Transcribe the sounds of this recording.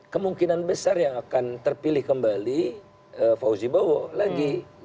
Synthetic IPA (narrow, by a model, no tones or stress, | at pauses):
kəmuŋkinanbəsarjaŋakant̪ərpilɪhkəmbali | əfauzibowolaɡi